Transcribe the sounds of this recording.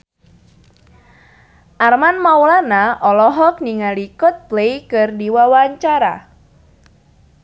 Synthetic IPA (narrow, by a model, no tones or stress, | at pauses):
ʔarmanmawlanaʔɔlɔɦɔk̚niŋalikɔt̪̚plejkɨrdiwawaɲt͡ʃaɾa̰